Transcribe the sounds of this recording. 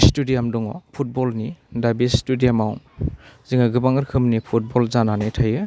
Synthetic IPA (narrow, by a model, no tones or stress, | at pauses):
studiamduŋɔ̰pʰut̚bɔlnidabistudijamawziŋaɡɯbaŋɯɾkʰɯmnipʰut̚bɔlzananɯjtʰajɯ